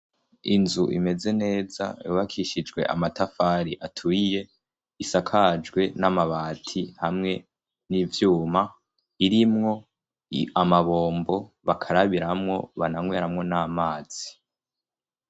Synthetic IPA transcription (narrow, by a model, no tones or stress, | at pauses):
inzuʔime̞ze̞ne̞ːza̰iβakʰiʃid͡ʒɡwe̞̰ʔa̰matafaɾiʔatʰuije̞ | isakʰad͡ʒɡwe̞namaβaːtʰihamŋe̞ | nivjuːma | iɾimŋo̞ | amaβo̞ːmbo̞βakʰaɾaβiɾamŋo̞βanaŋweːɾamŋo̞naːmaːz̥i̥